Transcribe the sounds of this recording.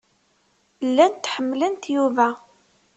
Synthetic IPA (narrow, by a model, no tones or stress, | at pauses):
lːænt̪ːħəmːlənt̪juvæ